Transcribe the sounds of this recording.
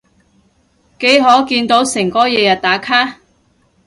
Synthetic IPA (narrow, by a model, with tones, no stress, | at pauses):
ke˨˥jɦɔː˨˥kiː˧nt̪o˨˥wsɪ˨˩ŋkɔː˨˥jɛː˨˧jɐ˨t̚t̪aː˨˥kʰaː˥